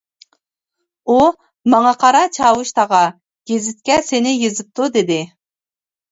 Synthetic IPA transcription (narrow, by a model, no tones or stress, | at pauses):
u | mɑŋɑqʰɑɾɑt͡ʃʰɑːwuʃt̪ʰɑʁɑ | ɡ̥ʲezɪt̪̚kʲɛsenɪjezɪp̚t̪ʰud̪ɪd̪ɪ